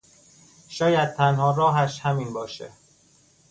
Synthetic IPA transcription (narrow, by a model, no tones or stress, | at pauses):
ʃɒːjæd̪̚t̪ʰænhɒːɾɒːɦæʃhæmiːnbɒːʃḛ